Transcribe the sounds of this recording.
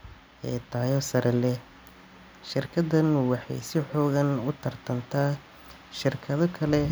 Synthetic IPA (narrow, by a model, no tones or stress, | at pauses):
ʔɛːt̪ʰaːjɔːsɐɾʔɐlɛ | ʃɪrkʰɐdɐnwɑħɑ̰jsɪħɔːɣɐnʊt̪ʰɐrt̪ʰɐnt̪ʰaː | ʃɪrkʰɐðɔkʰɐlɛ